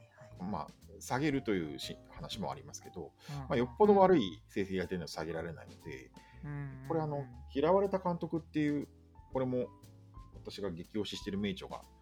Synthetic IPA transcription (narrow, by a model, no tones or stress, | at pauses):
ma̰saɡe̞ɾɯ̟t̪o̞jɯ̟̰ːɕĩhanaɕimo̞̰a̰ɾʲimasɨ̥ke̞d̪o̞̰ | majo̞pːo̞d̪o̞βaɾɯ̟ise̞ːseijait̪enoo̥saɡe̞ɾaɾe̞na̰ino̞d̪e̞̰ | ko̞ɾe̞ano̞kʲiɾaβaɾe̞t̪akãnt̪o̞kɯ̟t̪ːe̞jɯ̟ː | ko̞ɾe̞mo̞ | βat̪aɕiɡaɡe̞kʲio̞ːɕiɕi̥t̪e̞ɾɯ̟me̞ːt͡ɕo̞ɡa̰